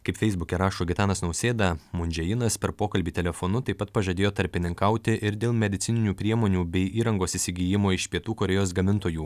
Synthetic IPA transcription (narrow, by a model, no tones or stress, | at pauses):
kɐɪpfʲɛɪzbʊkʲɛɾɑːʃuːɡʲɪt̪ɑːnɐsnɒʊsʲeːd̪ɐmʊnʲd͡ʒʲɛjɪnɐspʲɛɾpoːkɐlʲbʲiːt̪ʲɛlʲɛfonʊt̪ɐɪpːɐt̪̚pɐʒɐːd̪ʲeːjoːt̪ɐɾʲpʲɪnʲɪŋkɐʊt̪ʲɪʔɪɾd̪ʲeːlˠmʲɛd̪ʲɪt̪sʲɪnʲɪnʲuːpʲɾʲiɛmoːnʲuːbʲɛɪʔiːɾɐŋɡoːsɪsʲɪɡʲiːjɪmoːɪʃpʲiɛt̪uːkoɾʲɛjoːs̬ɡɐmʲɪnt̪oːjuː